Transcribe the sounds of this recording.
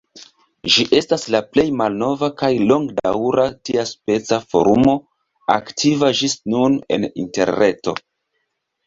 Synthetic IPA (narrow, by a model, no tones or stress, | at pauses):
ʒiʔe̞staslaple̞jmalno̞vakajlo̞ŋɡda̰wɾatiaspe̞t͡safo̞̰ɾumo̞ | a̰ktʰivad͡ʒisnune̞̰nḭnte̞̰ɾne̞to̞̰